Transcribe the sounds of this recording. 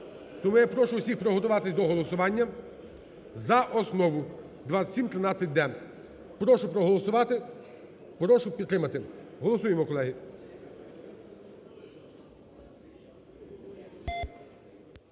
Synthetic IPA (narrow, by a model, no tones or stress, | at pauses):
t̪ɔmujapɾɔʃʊwsʲixpɾɔɦɔt̪ʊʋɑt̪ɪsʲd̪ɔɦɔlˠɔsʊʋɑnʲːɐ | zɐʔɔsnɔʋʊ | d̪ʋɑsʲimt̪ɾɪnɑt͡sʲːɐt̚ʲd̪ɛ | pɾɔʃʊpɾɔɦɔlˠɔsʊʋɑt̪ɪ | pɾɔʃʊpʲid̪t̪ːɾɪmɐt̪ɪɦɔlˠɔsujemɔkɔlˠɛɦɪ